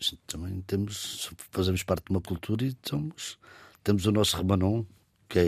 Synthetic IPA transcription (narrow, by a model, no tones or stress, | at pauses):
ʃt̪ɐmɐ̃j̃t̪emuʃfɐzemuʃpaɾt̪̚d̪umɐkulˠt̪ʰuɾɐit̪omuʃt̪emuzunɔsuʁɨmɐnõ | kɛ